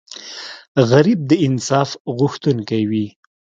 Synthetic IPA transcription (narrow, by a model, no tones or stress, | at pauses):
ɣaɾib̚d̪əɪnsɑfɣʊxt̪unkawi